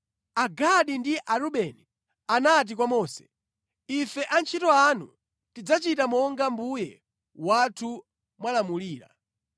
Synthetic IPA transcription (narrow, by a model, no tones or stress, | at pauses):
aɡaɗindiʔaɾuɓɛni | anat̬ik̬wamɔːsɛ̥ | ifɛʔant͡ʃʰitɔanṵ | tid͡zat͡ʃitamɔŋɡambujɛ | watʰu | mwalamuliːɾa̰